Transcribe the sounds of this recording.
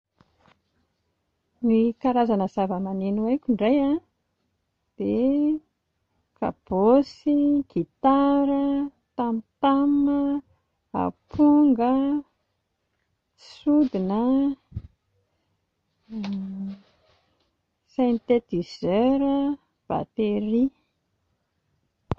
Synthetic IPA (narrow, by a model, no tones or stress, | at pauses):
nikaɾazanəzavəmanenuwajkʲuɳɖ͡ʐajã | d̪̥e | ka̰b̥osiɡ̥it̪aɾə | t̪amit̪amə | a̰pʰuŋɡə | sud̪inə | sent̪et̪izøɾə | b̥a̰t̪eɾi